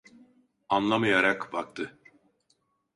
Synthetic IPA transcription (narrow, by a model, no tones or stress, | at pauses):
anlˠamɯjaɾakbak̚t̪ʰɯ